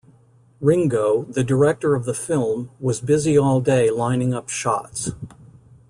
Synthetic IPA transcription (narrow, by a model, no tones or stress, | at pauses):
ɹɪ̃ŋɡoʊðɨdə˞ɛk̚tə˞ʌvðəfɪlˠmwʌzbɪziɔlˠdeɪlãɪ̃nɪ̃ŋʌpʃɑ̰ts